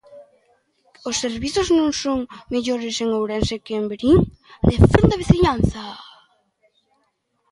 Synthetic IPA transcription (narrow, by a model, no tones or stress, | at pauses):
osːeɾβiθoznõŋsoŋmeʎoɾɪseŋowɾɛnsekːmbɾiŋ | d̪efund̪aβiθiɲanθa